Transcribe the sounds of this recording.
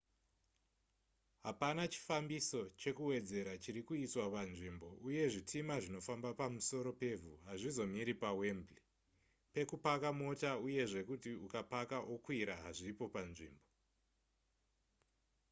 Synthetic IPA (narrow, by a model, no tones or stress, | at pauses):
ɦapanat͡ʃi̥fambiso̞t͡ʃe̞kuwe̞d͡ze̞ɾat͡ʃiɾikuiswapanʐimbo̞ʔuje̞ʐitʰimaʐino̞fambapamuso̞ɾo̞pe̞vuɦaʐizo̞miɾipawe̞mbli | pe̞kupakamo̞tauje̞ʐe̞kutiukapakaʔokwiɾaɦaʐiipo̞panʐḭːmbo̞